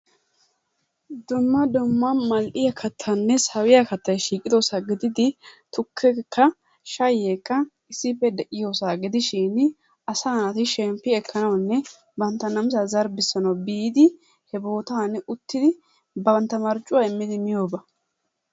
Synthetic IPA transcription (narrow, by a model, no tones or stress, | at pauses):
d̪ʊmːɐd̪ʊmːɐmɐlʔɪjɐkʰɐt̪ʰːɐnːɛsɐwɪjɐkɐt̪ːɐjʃiːkʼɪd̪osaːɡɪd̪ɪd̪ɪt̪ʊkʰːɛkʰːɐ | ʃɐjeːkːɐ | ɪsːɪpːɛd̪ɛʔɪjoːsaːɡɪd̪ɪʃɪːn | ɐsaːnɐt̪ɪʃɛmpːɪɛkʰːɐnɐwnːɛ | bɐnt̪ːɐnɐmsazɐɾbɪsːɐnɐwbiːd̪ɪ | hɛbo̞ːt̪aːnʊt̪ːɪd̪ɪ | bɐnt̪ːɐmɐɾt͡ʃʼːʊwaɪmːɪd̪ɪmɪjo̞ːbɐ